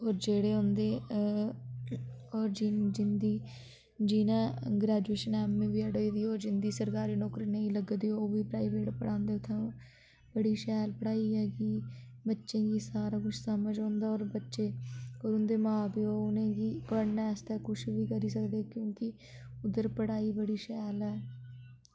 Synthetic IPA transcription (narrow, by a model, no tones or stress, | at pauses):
oːɾd͡ʒeːɽeːɦõːnd̪eː | ɔːɾd͡ʒid͡ʒɪnd̪iː | d͡ʒiːnãːɡɾɛːd͡ʒueːʃənɛːmːẽːʋiːəɽoid̪iːoːɾd͡ʒɪnd̪iːsəɾkaːɾiːnɔːkɾiːneĩːləɡəd̪ioːʋiːpɾaːiʋeːʈpəɽãːnd̪eːʊt̪ʰːẽ | bəɽiːʃɛːlpəɽaːiːɦɛːkiː | bətːʃẽːɡiːsaːɾaːkʊt͡ʃʰsəməd͡ʒõːnd̪aːɔːɾbətːʃeːoːɾʊnd̪eːmãːpiːoːʊnẽːɡiːpəɽnaːɛːst̪ɛːkʊt͡ʃʰʋiːkəɾiːsəkd̪eːkjõːkɪ | ʊd̪əɾpəɽaːiːbəɽiːʃɛːlɛː